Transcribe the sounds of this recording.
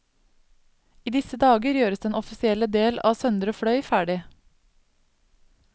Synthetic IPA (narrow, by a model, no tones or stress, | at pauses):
iːd̪ɪsəd̪ɑːɡəɾjøːɾəsd̪ɛːnɔfɪsɪɛləd̪eːlɑ̰ːsœnd̪əɾoːfɽœʏfæːɖɪ